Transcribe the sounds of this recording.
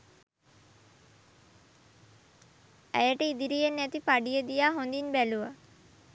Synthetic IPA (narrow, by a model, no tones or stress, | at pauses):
æ̰jəʈəid̪iɾijenːæt̪ipaɖijəd̪ijaːɦond̪inbæluʋa